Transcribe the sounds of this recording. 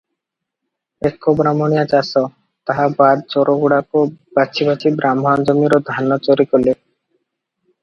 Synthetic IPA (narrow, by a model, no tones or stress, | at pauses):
ekːobɾamonijat͡ɕasɔ | t̪aɦabad̪̚t͡ɕɔɾoɡuɽakobat͡ɕʰibat͡ɕʰibɾamɦɔnd͡ʑomiɾod̪ʱanːɔt͡ɕoɾikole